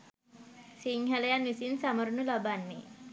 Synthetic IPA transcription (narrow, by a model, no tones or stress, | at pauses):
siŋɦalejanwisinsaməɾnulabanːi